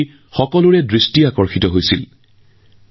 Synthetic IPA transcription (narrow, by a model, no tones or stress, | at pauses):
xɔkɔlʊɹɛdɹistiakɔɹxitɔɦojsil